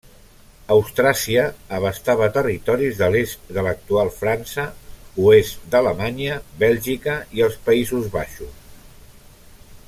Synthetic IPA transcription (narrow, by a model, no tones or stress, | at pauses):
əwst̪ɾasiəːβ̞əst̪aβ̞ət̪ərit̪ɔɾizðəlest̪d̪ələk̚t̪ualˠfɾansəuest̪d̪ələmaɲəβɛlʲʒikəiəlˠspəizuzβaʃus